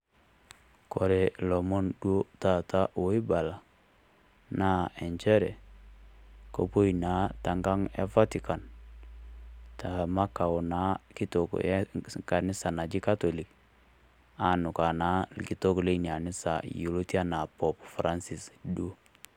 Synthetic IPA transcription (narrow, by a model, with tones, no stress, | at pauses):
kɔ˨ɾɛ˨lɔ˨mo˦ndu˦o˦ta˨ta˦ʔwo˦i˦ba˨la˨ | na˦ɛ˨ɲt͡ʃɛ˦ɾɛ˨ | ko˨po˦i˨na˨˦ta˨ŋɡa˦ŋɛ̰˦fa˦ti˨ka˨n | ta˨ma˦ka˨u˨na˦ki˦to˨kka˨ni˦sa˨na˨d͡ʒi˦ka˦to˨li˨k | a˦nu˨ka˨na˨˦ki˨to˦kle˦n˨a˨ni˦sa˨ju˨lo˦ti˦a˦na˨pɔ˨pfɾa˦nsi˨sdo˦